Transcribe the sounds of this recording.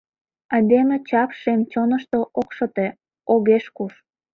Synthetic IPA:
ɑd̪emet͡ɕɑpʃemt͡ɕonəʃt̪oʔokʃɤ̆t̪e | oɣeʃkuʃ

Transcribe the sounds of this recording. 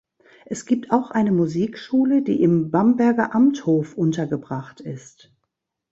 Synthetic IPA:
ʔɛsɡ̥iːp̚tʰaʊxʔaɪnəmuziːkʃuːlədḭːʔɪmbambɛɐɡɐʔamthoːfʔʊntɐɡəbʁaχtɪst

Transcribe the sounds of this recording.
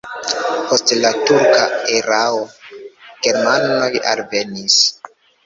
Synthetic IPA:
po̞stlatuɾkaeɾao | ɡ̥e̞ɾmano̞ja̰lve̞nis

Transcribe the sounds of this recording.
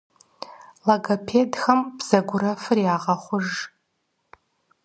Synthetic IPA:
laɡapʰedxɐmbz̥ɐɡʷʊɾɐfɨrjaːʁɐχʷʊʐ

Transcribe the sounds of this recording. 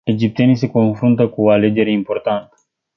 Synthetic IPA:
e̞d͡ʒip̚t̪ienise̞ko̞nfɾunt̪əkuoale̞d͡ʒe̞ɾe̞impo̞rt̪ant̪ə

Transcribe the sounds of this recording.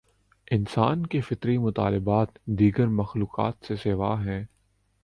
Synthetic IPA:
ɪnsaːnkefɪt̪ɾimʊt̪a̰ːlɪbaːt̪d̪iːɡəɾmɐxluːka̰ːt̪seseːʋa̰ːɦɛ̃ː

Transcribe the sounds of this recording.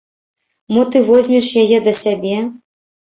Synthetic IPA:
mɔt̪ɨvɔzʲmʲɛʂjajɛd̪ɐsʲabʲɛ

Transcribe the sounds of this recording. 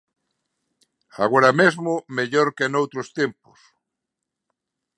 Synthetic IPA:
a̰ɣoɾamezmʊmeʎoɾkenowt̪ɾost̪empʊs

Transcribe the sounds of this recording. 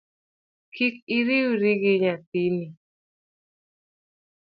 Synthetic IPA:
kikiɾiɾiɡɪɲatini

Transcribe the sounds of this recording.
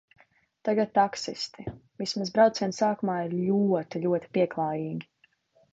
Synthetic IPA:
t̪aɡat̪̚t̪ːaksist̪ivismaz̬bɾawt̪siɛnsaːkumaːiɾlʲuɔt̪iʎʲuɔt̪i̥piɛklˠaːjiːɡʲi

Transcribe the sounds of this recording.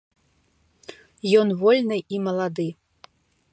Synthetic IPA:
jɔnvɔlʲnɨimɐlˠad̪ɨ

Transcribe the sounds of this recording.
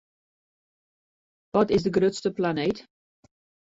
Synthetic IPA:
ʋɔtɪzdəɡrøtstəplaneːt

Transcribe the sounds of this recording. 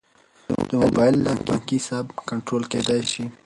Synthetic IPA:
d̪̥əmʊbɑɪlːaŋkaŋkisabkaɳʈɾolked̪ajʃi

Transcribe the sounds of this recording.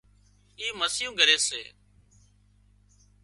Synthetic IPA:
iːməsjũːɡʱəɾeːsḛː

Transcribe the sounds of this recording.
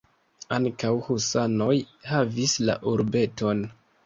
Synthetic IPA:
aŋkawhusano̞jhavisla̰ʔuɾbe̞to̞n

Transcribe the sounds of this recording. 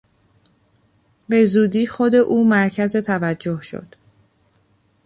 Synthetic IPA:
be̞zuːd̪iːxo̞d̪e̞ʔuːmæɾcʰæze̞t̪ʰævæd͡ʒːo̞hʃo̰d̪̥

